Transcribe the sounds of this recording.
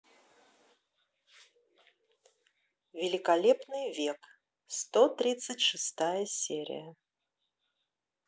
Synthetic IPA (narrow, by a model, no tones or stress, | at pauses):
vʲɪlʲɪkɐlʲepnɨjvʲe̞k | st̪ot̪ɾʲit̪sɨtʲʂɨst̪ajəsʲeɾʲɪ̰jə